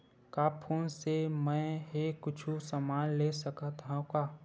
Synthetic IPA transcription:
kaːpʰuːnsemɛ̃ːɦekʊt͡ʃʰusəmaːnlesɐkt̪ãkaː

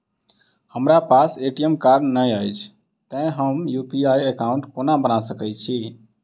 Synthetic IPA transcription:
həmɾapaseʈiəmkaɾɖnəjəjt͡ʃʰ | t̪ə̃j̃ɦəmjupiaiəkauɳʈkonabənasəkɛt͡ʃʰi

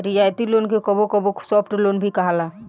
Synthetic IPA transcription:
ɾid͡ʒaet̪ilonkekɔbokɔbosɔpʰʈlonbʱikaɦala

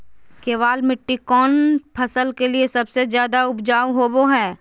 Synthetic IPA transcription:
keːʋaːlmɪʈːikɔːnpʰɐsəlkeliesɐbsezjaːd̪aʊbd͡ʒaːwɦoːboɦɛː

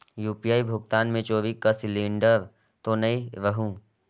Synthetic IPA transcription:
juːpijaːibʱʊɡ̚t̪aːnmẽt͡ʃoːʋikɐsɪlĩːɳɖəɾ | t̪onɐĩʋəɦũ

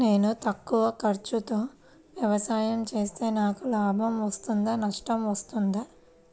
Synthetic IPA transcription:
ne̞ːnut̪ɐkːuʋɐkɐɾt͡ʃut̪o̞ː | ʋjɐʋɐsaːjɐmt͡ʃe̞ːst̪e̞ːnaːkulaːbʱɐmʋɐst̪und̪aːnɐʂʈɐmʋɐst̪und̪a

